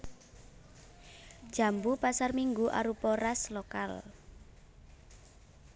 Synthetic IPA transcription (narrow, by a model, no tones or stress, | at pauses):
d͡ʒ̥a̤mbupasarmiŋɡuʔa̰ɾupɔɾaslokal